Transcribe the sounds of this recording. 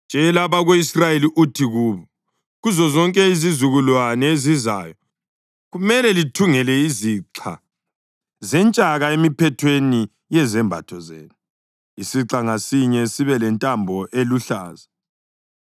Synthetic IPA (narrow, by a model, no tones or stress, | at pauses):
nd͡ʒʱɛlaβaɣoisrajeliʔutʰiɣuːβɔ | ɣuzɔzɔŋkʼɛizizuɣulwanɛezizaːjɔ | ɣumɛlɛlitʰuŋɛlɛiziǁʰa̰ | zɛnt͡ʃʼaɣaemipʰɛtʰweni | jɛzɛmbʱa̰tʰɔzḛːnu | isiǁaŋasiɲɛsiβɛlɛntʼambʱɔʔeluɬa̰ːza